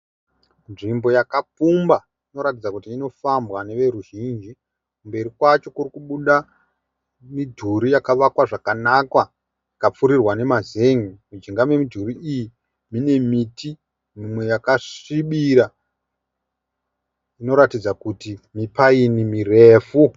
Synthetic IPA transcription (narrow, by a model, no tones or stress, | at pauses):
nʐimbo̞jakapumba | ino̞ɾatid͡zakutiːno̞fambwane̞ʋe̞ɾuʒind͡ʒi | kumbe̞ɾikwat͡ʃo̞kuɾikuɓuɗa | midʱuɾijakaʋakwaʐakanakwa | ikap͡fuɾirwane̞maze̞ŋimud͡ʒiŋɡamwe̞midʱuɾiiji | mine̞miti | mumwe̞jakaʂiɓiɾa | ino̞ɾatid͡zakutimipainimireːfu